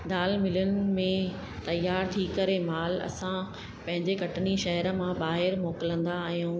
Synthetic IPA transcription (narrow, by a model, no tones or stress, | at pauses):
d̪aːlmɪlənɪ̆mẽ | t̪ɐjːaːɾt̪ʰikɐɾemaːlɐ̰sã | pɐ̃ɦɪ̃ɲd͡ʑekɐʈniʃɐɦəɾə̆mãɓaːɦɪɾmoːkɪlə̃nd̪aːɦɦjũː